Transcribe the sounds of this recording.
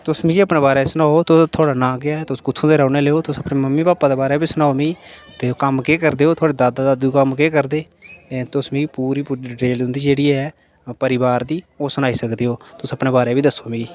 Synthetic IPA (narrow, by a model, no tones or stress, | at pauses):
t̪ʊsmĩːəpneːbaːɾɛːsʊnaːoːt̪ʊt̪ʰoaːɽaːnãːɡɪjaːɛt̪ʊskʊt̪ʰũd̪eːɾaːneːleːoːt̪ʊsəpneːməmːiːpaːpaːd̪eːbaːɾɛːbiːsʊnaːoːmĩːt̪eːokəmkeːkəɾd̪eːɦoːt̪ʰʊaːɽeːd̪aːd̪aːd̪aːd̪uːkəmkeːkəɾd̪eː | t̪ʊsmĩːpuːɾiːʈeːlʊnd̪iːd͡ʒeːɽiːɛː | pəɾɪbaːɾd̪iːoːsʊnaːiːsəkd̪eːɦoːt̪ʊsəpneːbaːɾeːbiːd̪əsoːmĩː